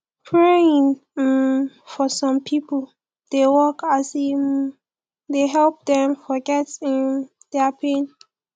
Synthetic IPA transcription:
pʰɹeɪ̃ŋ | fɔsɔ̃mpʰipəl | d̥ewɔkasi | deɦɛlp̚dɛ̃mfɔɡɛtĩn | d̥ɛpʰẽn

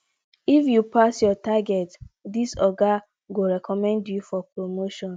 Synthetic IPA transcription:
ifjupasjɔtaɡɛtdisɔɡa | ɡoɾɛkɔmɛ̃ndjufɔpɹomoʃɔ̃n

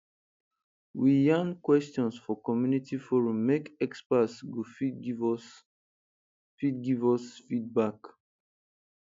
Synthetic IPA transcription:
wijãnkwɛstɔ̃nsfɔkɔmjunitifɔɹũmːekɛkspasɡofv | fit̚ɡivɔsfid̚bak

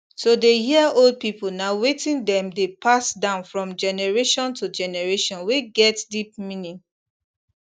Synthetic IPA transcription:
sodehiəold̚pipolnawetĩndɛ̃mdepʰasdãʊ̃nfɹɔ̃md͡ʒɛnɛɹeʃɔ̃ntud͡ʒɛnɛɹeʃɔ̃nweɡɛtdip̚mĩnĩŋ

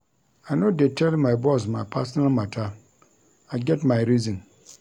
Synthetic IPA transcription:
anõdɛtʰɛlmãɪbɔs̬mãpʰas̬nãlmãtʰa | aɪɡɛtmãɪɾizə̃n

